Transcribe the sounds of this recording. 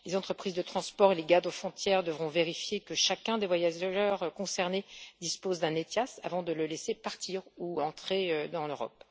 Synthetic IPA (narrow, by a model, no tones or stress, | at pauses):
lezɑ̃t̪χəpχizd̪ət̪χɑ̃spɔʁeleɡaʁd̪ofχɔ̃t̪jɛʁd̪əvʁɔ̃veʁifjekəʃakʲɛ̃d̪evwajaʒʒœʁkɔ̃sɛʁned̪ispozd̪ɛ̃net̪jasa̰vɑ̃d̪ələlesepaʁt̪iʁuɑ̃t̪χeød̪ɑ̃løʁɔ̰p